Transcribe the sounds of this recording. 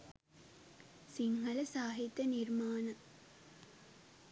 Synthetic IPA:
siŋhɐlɐsaːɦit̪ːɐniɾmaːnɐ

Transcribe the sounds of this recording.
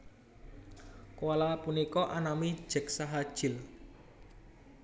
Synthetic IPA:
kalapunikɔʔanami̥ʒ̥ɛ̤k̚saɦad̥ʒ̥ɪ̤l

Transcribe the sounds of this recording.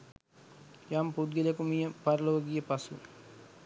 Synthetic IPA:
jaːmpud̪ɡilɐkumijɐpɐɾɐloːɡijɐpɐsṵ

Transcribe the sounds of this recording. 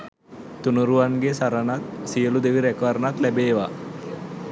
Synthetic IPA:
t̪unuɾuʋanɡesaɾanat̪sijəlud̪eʋiɾɛkʋaɾnat̪læbeːʋa

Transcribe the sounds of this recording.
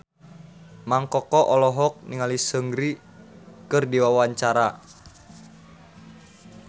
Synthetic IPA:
maŋkɔkɔʔɔlɔɦɔk̚niŋalisəŋɡɾi | kɨrdiwawaɲt͡ʃaɾa

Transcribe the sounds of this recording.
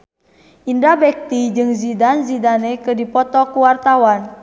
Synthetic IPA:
ʔindabɛk̚t̪id͡ʒɨŋzidanzidanɛkɨdipɔt̪ɔkuwart̪awan

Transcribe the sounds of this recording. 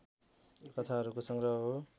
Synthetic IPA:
kʌt̪ʰaɦʌɾukosʌŋɡrʌɦʌɦo

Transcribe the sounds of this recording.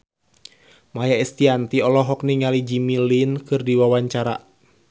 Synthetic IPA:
majaɛst̪iant̪iɔlɔɦɔkniŋalid͡ʒimilinkɨrdiwawaɲt͡ʃaɾa̰

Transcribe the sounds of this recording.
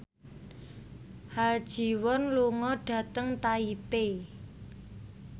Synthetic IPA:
had̥ʒ̥i̤wɔnluŋɔɖ̥ä̤t̪əŋt̪aipe

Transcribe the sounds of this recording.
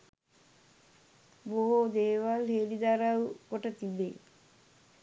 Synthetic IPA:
boɦod̪eːʋalheːlid̪aɾawɡoʈət̪ibḛ

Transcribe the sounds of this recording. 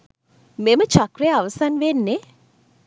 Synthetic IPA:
memət͡ʃakɾejaaʋəsanʋenːe

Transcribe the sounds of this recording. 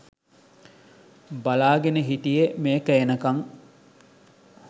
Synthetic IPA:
balaːɡenəɦiʈijemeːkəjenəkaŋ

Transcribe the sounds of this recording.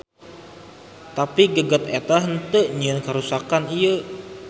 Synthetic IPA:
t̪apiɡəɡət̪et̪aɦənt̪əʔɲiənkəɾusakanijə

